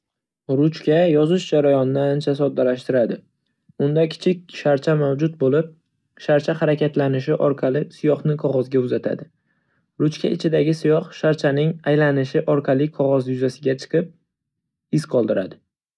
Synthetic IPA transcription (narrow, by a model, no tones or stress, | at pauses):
ɾʊt͡ʃkʲajɒzɪʃd͡ʒaɾajɒnːɪant͡ʃʰasɒd̪ːalaʃt̪ɪɾad̪ɪ | ʊnd̪akʲʰɪ̥t͡ʃʰɪk̚ʲʃaɾt͡ʃʰamawd͡ʒʊt̪̚bolɪp̚ | ʃaɾt͡ʃʰaχaɾakʲʰat̪lanɪʃ̬ɪʔɒɾqʰɑlɪsɪjɒχnɪqʰɒʁɒzɡʲaʊzat̪ʰa̰d̪ɪ | ɾʊt͡ʃkʲa̰ʔɪt͡ʃʰɪd̪aɡʲɪsɪjɒχʃaɾt͡ʃʰanɪŋajlanɪʃɪʔɒɾqʰɑlɪqʰɒʁɒzjʊzasɪɡʲat͡ʃʰɨ̥qʰɨp̚ | ɪsqʰɒlˠd̪ɪɾad̪ɪ